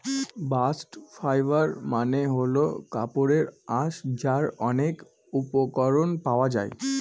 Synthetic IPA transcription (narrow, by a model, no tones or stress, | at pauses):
basʈfʰajbaɾmaneɦolokapoɾeɾaʃd͡ʑaɾɔnek | upokɔɾonpaoad͡ʑa̰e